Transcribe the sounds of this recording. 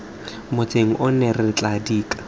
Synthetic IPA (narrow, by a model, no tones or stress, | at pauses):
mʊt͡seŋ̩ʔʊnɛrɪt͡ɬʼadiːkʼḁ